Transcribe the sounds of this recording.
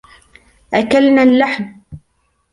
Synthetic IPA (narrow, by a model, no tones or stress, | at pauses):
ʔakalnaːlːaħm